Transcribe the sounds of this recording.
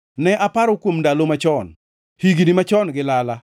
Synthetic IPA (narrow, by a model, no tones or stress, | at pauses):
nɛʔapaɾokwomndalomat͡ʃɔn | hiɡinimat͡ʃɔnɡɪlala